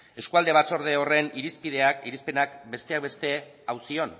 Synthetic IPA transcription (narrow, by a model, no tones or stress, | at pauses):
e̞skuald̪e̞βat͡so̞ɾðe̞o̞re̞niɾispið̞e̞akiɾispe̞nakbe̞st̪e̞ak̚βe̞st̪e̞ | awsio̞n